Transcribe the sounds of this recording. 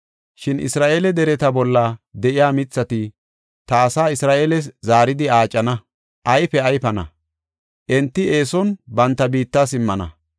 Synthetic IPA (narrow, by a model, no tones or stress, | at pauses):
ʃɪnʔɪ̰sɾaːʔeːlɛd̪ɛɾɛt̪ɐbɔlːɐd̪ɛʔɪjaːmɪt͡sːɐt̪ɪ | t̪ɐːsaːɪsɾaːʔeːlɛs̬zaːɾɪd̪ɪaːt͡ʃʼːɐnɐ | ʔɐjfɛɐjfɐnɐ̰ | ʔɛnt̪ːɪe̞ːsɔnbɐnt̪ːɐbiːt̪ːaːsɪmːɐnɐ̰